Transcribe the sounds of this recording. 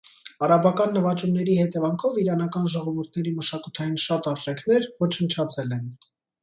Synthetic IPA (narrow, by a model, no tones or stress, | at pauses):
ɑɾɑbɑkɑnːəvɑt͡ʃumnɛɾihɛt̪ɛvɑŋkʰɔviɾɑnɑkɑnʒɔʁɔvuɾt̪ʰnɛɾiməʃɑkut̪ʰɑjinʃɑt̪ɑɾʒɛkʰnɛɾvɔt͡ʃʰənt͡ʃʰɑt͡sʰɛlɛn